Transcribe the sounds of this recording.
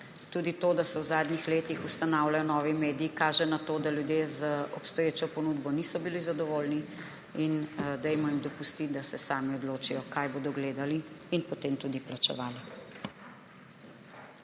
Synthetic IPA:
t̪ud̪it̪oːd̪asɛwzaːd̪nʲixleːt̪ixust̪anawlajɔnɔːʋimeːd̪iːkaːʒɛnat̪oːd̪aljud̪jezaɔpst̪ɔjeːt͡ʃɔpɔnud̪bɔnisɔbilizad̪ɔʋoːlni | ind̪ɛjmɔimd̪ɔpust̪id̪asɛsaːmiɔd̪loːt͡ʃijɔkajboːd̪ɔɡleːd̪aliːnpɔt̪eːmt̪uːd̪iplat͡ʃɛ̰ʋaːla

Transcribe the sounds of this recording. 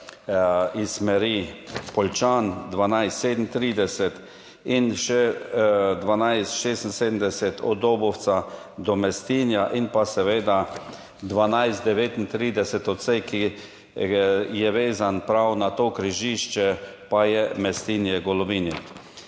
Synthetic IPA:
ismɛɾipɔlt͡ʃand̪ʋanajst̪seːd̪n̩t̪ɾiːd̪ɛsɛt̪ | inʃɛ | d̪ʋanajst̪ʃeːst̪n̩seːd̪m̩n̩d̪ɛsɛt̪ʰɔ̰oːbɔw̪sa | d̪ɔmɛst̪iːnjaʔinpasɛʋeːd̪a | d̪ʋanajst̪d̪ɛʋeːt̪int̪ɾiːd̪ɛsɛt̪ɔt̪sejki | jɛʋeːzanpɾawnat̪oːkɾiʒiːʃt͡ʃɛpajɛmɛst̪iːnjɛɡɔlɔʋiːni

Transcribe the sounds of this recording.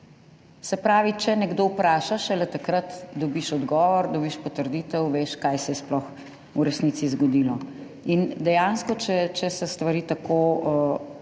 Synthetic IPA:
sɛpɾaːʋit͡ʃɛnɛɡd̪owpɾaːʃaʃɛlɛt̪akɾət̪d̪ɔbiʃɔd̪ɡɔːʋɔɾd̪ɔbiʃpɔt̪əɾd̪it̪ɛwʋeʃkajsɛjɛsplɔx | uɾɛsnit̪sizɡɔd̪ilɔ | ind̪ɛjanskɔt͡ʃɛt͡ʃɛsɛst̪ʋaɾiːt̪ako

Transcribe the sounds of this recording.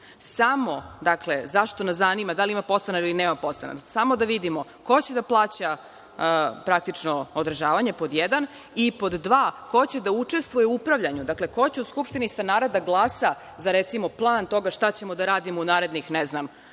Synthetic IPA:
samo̞d̪akle̞zaʃt̪onaszanimad̪aliimapo̞st̪anailineːmapo̞st̪a̰na̰ksamo̞d̪aʋid̪imo̞ko̞t͡ɕed̪aplˠaːt͡ɕa | pɾak̚t̪it͡ʃno̞od̪ɾʒaːʋaɲe̞po̞d̪jed̪an | ipo̞d̪ːʋaːko̞t͡ɕe̞d̪aut͡ʂe̞st̪ʋujeuupɾaʋʎaɲud̪akle̞ko̞t͡ɕeuskupʃt̪inist̪anaːɾad̪aɡlˠaːsa | zaɾet̪simo̞plˠaːnt̪o̞ɡaʃt̪at͡ɕe̞mo̞d̪aɾaːd̪imounaːɾe̞d̪nixneznam

